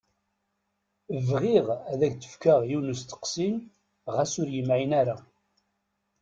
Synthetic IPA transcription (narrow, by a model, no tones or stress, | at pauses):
əvʁiʁæðæçt͡sə̥fkaʁjunəst̪ə̥qsin | ʁæsʊɾjəmʕinæɾa